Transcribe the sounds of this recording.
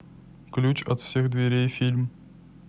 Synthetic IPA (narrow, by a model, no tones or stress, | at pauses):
klʲut͡ɕɐt̪fsʲeɣd̪vʲeɾʲejfʲilʲm